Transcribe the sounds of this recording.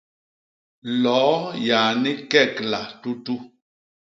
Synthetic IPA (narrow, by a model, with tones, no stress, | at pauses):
lɔ˨˦jaː˨ni˦kɛ˦˨kla˨tu˦tu˦